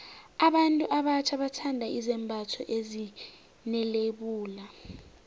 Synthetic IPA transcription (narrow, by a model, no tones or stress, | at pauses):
aɓantʼuʔaɓat͡ʃʰaɓatʰandʱaizɛmbʱatʰɔ̰ʔezi | nɛleɓuːla